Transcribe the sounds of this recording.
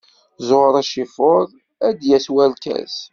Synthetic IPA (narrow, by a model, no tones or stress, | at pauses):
zoɾˤæʃifoɾˤ | æd̪jæswælkæ̰s